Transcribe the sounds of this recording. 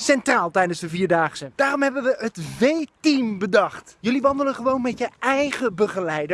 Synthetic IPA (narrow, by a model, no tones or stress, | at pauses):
sɛntraːlˠtɛjdənzdəviːɹdaːχəsəd̥aːrɔmɦɛbənʋəɦətvejtimbədɑχtjɵliʋɑndələχəʋownmɛtəɛjχəbəχəlɛjdə